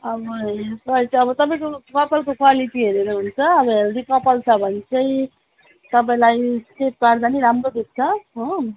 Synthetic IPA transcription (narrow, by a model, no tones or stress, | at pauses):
ʌbʌsʌit͡sʌbʌt̪ʌpaĩkokʌpʌlkokwaliʈiɦeɾeɾʌɦunt͡sʰʌʌbʌɦeɾd̪ikʌpʌlt͡sʰʌbʱʌnt͡sʌj | t̪ʌpaĩlajsʈeʈ̚kaɾd̪aniɾamɾod̪uk̚t͡sʰʌɦʌ̃